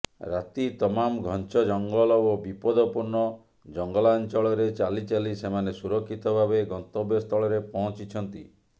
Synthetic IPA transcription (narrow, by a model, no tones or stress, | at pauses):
ɾat̪it̪ɔmamɡʱɔnt͡ʃɔd͡ʒɔŋɡɔlɔobipɔd̪ɔpuɾɳɔ | d͡ʒɔŋɡɔlant͡ʃɔɭɔɾet͡ʃalit͡ʃalisemanesuɾɔkʰːit̪ɔbʱabeɡɔnt̪ɔbjɔst̪ʰɔɭɔɾepɔɦɔ̃t͡ʃit͡ʃʰɔnt̪ḭ